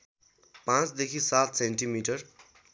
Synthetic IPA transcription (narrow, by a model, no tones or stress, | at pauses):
pãt͡sd̪ekʰisat̪ʰseɳʈimiʈʌr